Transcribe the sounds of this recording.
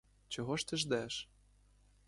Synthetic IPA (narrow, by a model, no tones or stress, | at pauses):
t͡ɕŏɣŏʃt̪ɘ̆ʒd̪æʃ